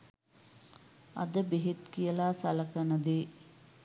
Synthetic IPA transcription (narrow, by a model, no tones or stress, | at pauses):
ɐ̰d̪əbeɦet̪kijəlaːsɐlɐkɐnəd̪eː